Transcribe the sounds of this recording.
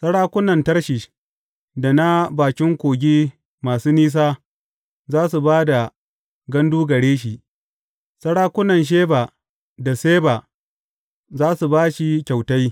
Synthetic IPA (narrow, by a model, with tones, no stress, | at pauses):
sɐ˦ɽaː˦kʷʊ˦nɐ˨ntɐ˦ɽʃi˨ʃ | da˨na˦baː˨kʲɪ˦ŋkʷoː˨ɡʲiː˦ | maː˨suː˦niː˦s̬aː˦ | zaː˦su˨baː˦da˨ | ɡɐ˦nduː˦ɡɐ˨ɽeː˦ʃ̬i˨ʔ | sɐ˦ɽaː˦kʷʊ˦nɐ˨nʃ̬eː˦baː˨ | da˨seː˦ba˨ | zaː˦su˨baː˦ʃi˦kʲa˨wta˦j